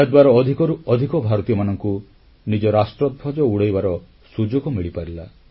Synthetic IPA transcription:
ed̪waɾɔːd̪ʱikɔɾuɔd̪ʱikɔbʱaɾɔt̪ijɔmanɔŋku | nid͡ʒɔɾasʈɾɔd̪̚bʱɔd͡ʒɔuɽejbaɾɔ | sud͡ʒoɡɔmiɭipaɾila

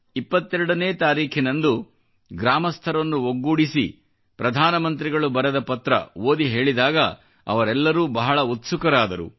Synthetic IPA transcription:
ipːɐt̪ːɛɾɐɽɐneːt̪aːɾiːkʰinɐnd̪u | ɡɾaːmɐst̪ʰɐɾɐnːuoɡːuːɽisḭ | pɾɐd̪ʱaːnɐmɐnt̪̬ɾiɡɐɭubɐɾɐd̪ɐpɐt̪ɾɐ̰oːd̪iɦe̞ːɭid̪aːɡɐ̰ | ɐ̰ʋɐɾɛlːɐɾuːbɐɦɐɭɐut̪sukɐɾaːd̪ɐɾṵ

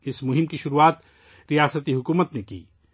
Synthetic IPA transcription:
ɪsmʊɦɪmkiʃʊɾuaːt̪ | ɾijaːsət̪iɦʊkuːmət̪nekḭː

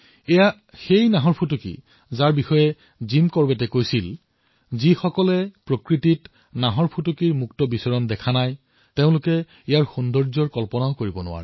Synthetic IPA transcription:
ɛja | xejnaɦɔɹpʰutukḭ | zaɹbixɔjɛ | zimkɔɹbɛtɛkojsil | zixɔkɔlɛpɹokɹitit | naɦɔɹpʰutukiɹmuktɔbisɔɹɔndɛkʰanaj | teʊ̃lʊkɛ | ijaɹxundɔɹzɔɹkɔlpɔnaʊkoɹibɔnʊ̰wa̰ɹɛ

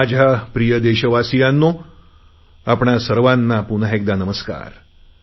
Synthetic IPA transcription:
ad͡ʑʱapɾijəd̪eɕəʋasijanːo | apɳasəɾʋanːapunɦek̚d̪anəməska̰ɾ

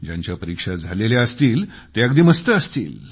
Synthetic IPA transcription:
d͡ʑja̰ɲt͡ɕjapəɾikʂad͡zʱaleljaəst̪iːl | t̪eəkd̪iːməst̪əəst̪ḭːl

